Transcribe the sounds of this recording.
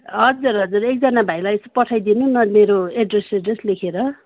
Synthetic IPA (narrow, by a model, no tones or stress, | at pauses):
ɦʌd͡zuɾɦʌd͡zuɾek̚d͡zʌnabʱajlajesopʌʈʰajd̪inunʌmeɾoeɖreseɖreslekʰeɾʌ